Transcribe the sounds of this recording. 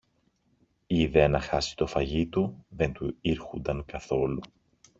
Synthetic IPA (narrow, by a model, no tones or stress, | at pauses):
iiːðe̞ɐnɐxɐsi̥t̪o̞fɐʝit̪uðe̞nt̪uiɾxund̪ɐŋkɐθo̞lu